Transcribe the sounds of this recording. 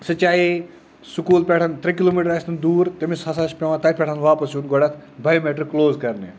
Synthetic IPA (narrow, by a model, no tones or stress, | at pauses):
sɐt͡ʃaːi | sukuːlpʲeʈʰɐnt̪ɾɐkiloːmiːʈɐɾast̪ɐnd̪uːɾt̪emisasaspʲewãt̪ɐpʲeʈʰanʋaːpɐsjunɡɔɽɐt̪ʰ | bajmeʈəɾkloːzkɐɾnḛ